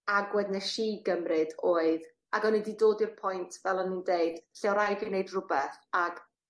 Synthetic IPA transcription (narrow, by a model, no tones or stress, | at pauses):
aɡwɛdnɛʃiːɡəmrɨdoːɨð | aɡɔnididoːdirpʰɔjntʰvɛlˠɔnindeɨd̥ɬɛwɾajɡinejdrʊbɛθaɡ̥